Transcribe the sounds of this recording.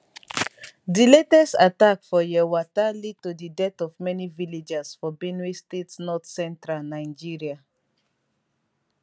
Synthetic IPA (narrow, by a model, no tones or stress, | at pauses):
diletɛsatakfɔjɛwatalid̚todidɛtɔvmɛniviled͡ʒɛsfɔbenistetnɔtsɛ̃ntɹalnaɪd͡ʒiɹia